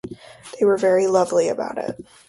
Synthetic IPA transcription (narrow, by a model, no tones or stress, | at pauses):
ðeɪwə˞vɛɹilʌvliɨ̰ba̰ʊɾɪ̰t̚